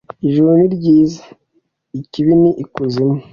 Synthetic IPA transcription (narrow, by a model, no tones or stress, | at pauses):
iʒuɾiɾɟiːza | iciβiniʔikuzime